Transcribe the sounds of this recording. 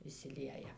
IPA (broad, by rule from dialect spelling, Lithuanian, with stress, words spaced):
ɪʃʲsʲɪˈlʲiɛjɛ